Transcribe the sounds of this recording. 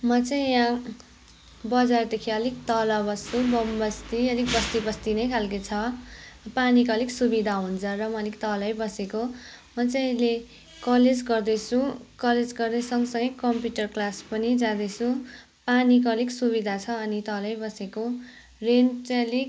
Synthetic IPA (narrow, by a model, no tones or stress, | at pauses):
mʌt͡saĩã | bʌd͡zard̪ekʰiʌlik̚t̪ʌlʌbʌst͡sʰubʌmbʌst̪iʌlik̚bʌst̪ibʌst̪inʌjkʰalkit͡sʰʌ | panikʌliksubid̪ʱaɦunt͡sʰʌrʌmʌlikt̪ʌlʌjbʌseko | mʌt͡saĩʌle | kʌled͡zɡʌrd̪ʌt͡sʰũkʌled͡zɡʌrd̪ʌjsʌŋʌsʌŋɡʌkʌmpjuʈʌrklaspʌnid͡zãd̪ʌt͡sʰũ | panik̬ʌliksubid̪ʱat͡sʰʌːnit̪ʌlʌjbʌseko | rent͡sʌlik